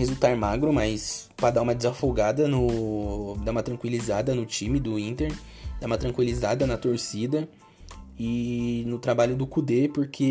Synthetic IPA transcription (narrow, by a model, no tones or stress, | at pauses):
hezuwt̪aɾmaɡɾʊmɐjspɾɐd̪aũmɐd͡ʒɪzɐfoɡad̪ɐnʊ | d̪aũmɐt̪ɾɐ̃ŋkwilizad̪ɐnʊt͡ʃĩmɪd̪ʊĩnt̪eɾ | d̪aũmɐt̪ɾɐ̃ŋkwilizad̪ɐnɐt̪oɾsid̪ɐ | ɪnʊt̪ɾabaʎʊd̪ʊkud̪epoɾkʰe